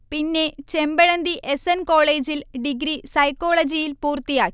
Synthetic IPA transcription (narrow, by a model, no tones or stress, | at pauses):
pinːe̞t͡ɕembɐɻɐnd̪iʔesenkoːɭeːd͡ʑilɖiɡɾisɐjkːo̞ːɭɐd͡ʑijilpuːrt̪ijaːkː